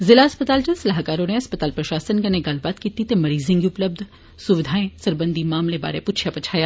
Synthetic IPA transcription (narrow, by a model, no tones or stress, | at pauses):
zɪlaɐspət̪aːld͡ʒɐsɐlaːɦkaːɾõneɐspət̪aːlpɾɐʃaːsənkɐnẽɡɐlbaːt̪kiːt̪it̪emɐɾiːzɪ̃ŋɡiʊpləb̚d̪ʱ | sʊʋɪd̪ʱaːẽsɐɾbə̃nd̪ʱimaːmleba̰ːɾepʊt͡ʃʰijapɐt͡ʃʰaːjaː